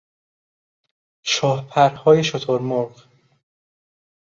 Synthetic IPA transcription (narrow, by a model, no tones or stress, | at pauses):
ʃɒːhpʰæɾhɒːjeʃot̪ʰoɾmoɾɢ